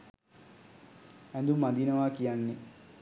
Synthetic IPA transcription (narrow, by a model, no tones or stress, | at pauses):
ænd̪umːad̪inəʋakijanːe